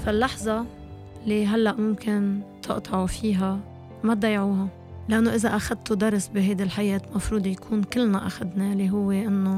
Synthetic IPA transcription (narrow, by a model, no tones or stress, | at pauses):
falːɑħzˤɑ | lːiɦalːaʔmʊmkɪnt̪ʰɨ̰ʔt̪ʰˤɑʕufiːɦa | mad̪ɑːjʕuːɦa | lɪʔanːoʔɪzaʔaxad̪̚t̪od̪ɑɾˤsbiɦajd̪ilħajeːt̪mɑfɾuːd̪ˤjakʰuːnkɪlːnaʔaxad̪naliɦʊwːeʔɪnːo